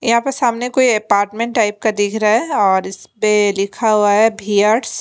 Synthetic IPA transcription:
jɐɦãːpɐɾsaːmnekoːiɐpaːɾʈmẽɳʈːaːɪp̚kad̪ɪkʰɾaɦɛɔːɾɪspelɪkʰaɦuaɦɛbʱiːjaːɾɖs

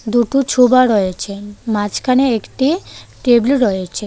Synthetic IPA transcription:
d̪uʈut͡ʃʰubaɾɔet͡ʃʰemat͡ʃkʰaneekʈiʈebluɾɔet͡ʃʰe

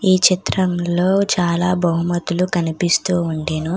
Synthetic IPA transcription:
iːt͡ʃit̪ɾɐmlo̞ːt͡ʃaːlaːbɐɦumɐt̪ulukɐnipist̪uːɳɖeːnu

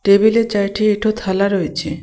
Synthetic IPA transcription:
ʈebilet͡ɕajʈʰiiʈʰot̪ʰalaɾojet͡ɕʰe

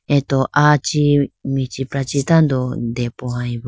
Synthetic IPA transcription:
et̪oʔat͡ʃimĩt͡ʃipɾat͡ʃit̪and̪od̪epohãiβ

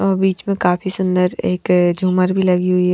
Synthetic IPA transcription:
ɔːɾbiːt͡ʃmẽkaːfisʊ̃nd̪əɾeːkd͡ʒʱuːməɾbʱilɐɡiɦʊi

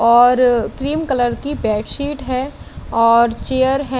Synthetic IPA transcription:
ɔːɾkɾiːmkələɾkibɛːʈsiːʈɦɛ | ɔːɾt͡ʃeːjəɾɦɛ

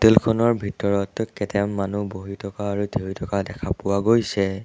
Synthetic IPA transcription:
telkʰɔnɔɹbʱitɔɹɔtkɛtɛmːanuboɦitʰɔkaːɹutʰeɹitʰɔkadɛkʰapʊwaɡojsɛ

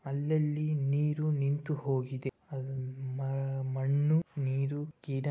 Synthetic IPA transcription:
ɐlːɐlːiniːɾunint̪uho̞ːɡid̪e̞ | ɐumɐmɐɳːuniːɾukiːɖɐ

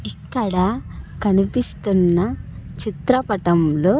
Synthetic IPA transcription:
ikːaɽakɐnipist̪unːat͡ɕit̪ɾapɐʈɐmlo

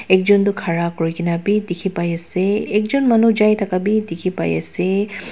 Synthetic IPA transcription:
ɛk̚zɔntʊkʰaɹakoɹikʰinabidikʰipajasɛɛk̚zɔnmanuzajtʰakabidikʰipa̰ja̰sɛ

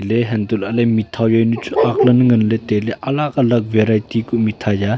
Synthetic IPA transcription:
leɦɛnd̪ulɐlɐjmit̪ʰawjajnut͡ʃuʔaklɐnŋənlet̪eleʔɐlakalɐk̚veɾajtikumit̪ʰaja

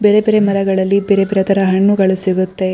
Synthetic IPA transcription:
beːɾebeːɾemɐɾɐɡɐɭɐlːibeːɾebeɾet̪ʰɐɾɐɦɐɳːuɡɐɭusiɡut̪ːe̞

